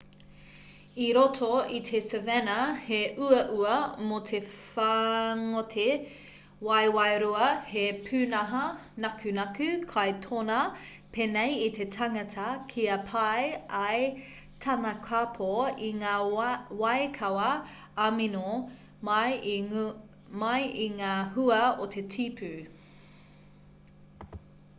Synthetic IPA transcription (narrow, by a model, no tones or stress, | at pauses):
iɾotʰoit̪ʰesevɛnɐheʔuɐʔuɐmotʰefaŋotʰe | wɐjwɐjɾuɐhepʰʉːnɐɦɐnɐkʰʉnɐkʉkʰajtʰonɐ | pʰenejit̪ʰetʰɐŋɐtʰɐkʰiɐpʰɐjɐj | t̪ʰɐnɐkʰapʰoiŋaːwɐjkʰɐwɐ | amino | mɐj | mɐjiŋaːhuɐot̪ʰetʰipʰʉ